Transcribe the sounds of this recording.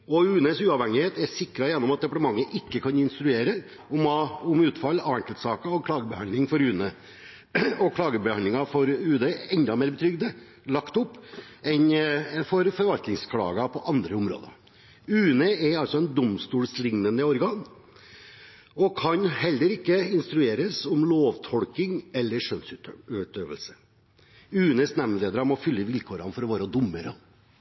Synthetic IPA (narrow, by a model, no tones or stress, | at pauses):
ɔʉːnəsʉːɑʋhɛŋːɪheːt̪ɛɾsɪkɾɑjɛnːɔmɑt̪̚d̪ɛpɑʈ̪əmɑŋːəʔɪkːəkʰɑnɪnst̪ɾʉeːɾə | ɔmɑʊmʉːt̪fɑlːɑɛŋkəlt̪sɑːkɑɔkʰlɑːɡəbəhɑnlɪŋfɔɾʉːnə | ɔkʰlɑːɡəbəhɑnlɪŋɑfɔɾʉːd̪əɛnd̪ɑmeːɾbət̪ʰɾʏɡd̪ə | lɑkt̪ʊpːɛnfɔɾfɔɾʋɑlt̪nɪŋskʰlɑ̰ːɡɑpʰɔʔɑnd̪ɾəʊmɾo̰ːd̪ə̰ɾ | ʉːnəɛɑlsɔɛnd̪ʊmst̪uːlslɪŋnənəɔɾɡɑːn | ɔkʰɑnhɛlːəɾɪkːəɪnst̪ɾʉeːɾəsɔmloːʋt̪ʰɔlkɪŋɛlːəʂœnsʉʉt̪øːʋəlsə̥ | ʉːnəsnɛmnəʋ̪eːd̪əɾɑɔmɔfʏlːəʋɪlkʰoːɾɑ̰nfɔɾɔʋɑːɾəd̪ʊmːəɾə